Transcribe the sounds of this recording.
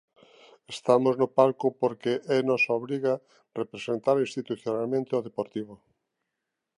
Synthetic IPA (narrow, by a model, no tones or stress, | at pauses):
est̪amoznʊpaɾkʊpoɾkeʔɛnɔsaoβɾiɣa | repɾesent̪aɾĩst̪it̪uθjonalmẽnt̪ɪoðepoɾt̪iβo